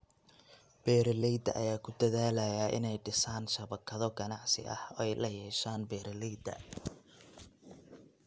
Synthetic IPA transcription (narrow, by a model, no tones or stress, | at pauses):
b̥ɛːɾɐlɛjd̪ɐʔɐ̰jaːkʰʊd̪ɐðaːlɐjɐʔɪ̰nɛjɖɪsaːnʃɐβɐkʰɐðɔɡɐnɑʕsɪ̰ʔɐ̰hɔɛjlɐjɛːʃaːnbɛːɾɐlɛjd̪ɐ̰